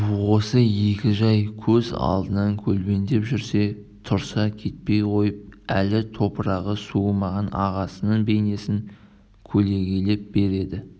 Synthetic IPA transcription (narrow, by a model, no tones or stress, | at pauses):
wo̞səje̞kʲɪʒɑjkʲʰɵzɑ̰lˠd̪ənɑŋkʲʰɵlbe̞nd̪e̞pʒʏɾse̞ | t̪ʰʊɾsɑkʲʰe̞t̪̚pe̞jqʰo̞jəp̚ælɪt̪ʰo̞pəɾɑʁəsuəmɑʁɑnɑ̰ʁɑsənəɴbe̞jne̞sɪŋ | kʲʰɵle̞ɡʲele̞p̚be̞ɾe̞d̪ɪ